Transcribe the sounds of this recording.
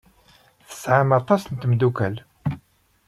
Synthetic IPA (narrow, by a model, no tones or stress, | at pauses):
θə̥sʕamɑt̪ˤɑsənt̪md̪ukæl